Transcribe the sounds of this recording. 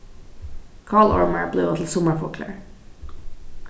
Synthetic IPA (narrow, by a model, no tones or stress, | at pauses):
kʰɑːɭɑ̰ɹməɹbleːoːt̪ʰl̩sɔməɹfɔkʰlə̰ɹ